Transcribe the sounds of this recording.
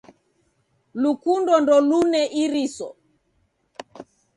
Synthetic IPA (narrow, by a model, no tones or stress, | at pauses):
lukundɔndɔlunɛʔiɾisɔ̰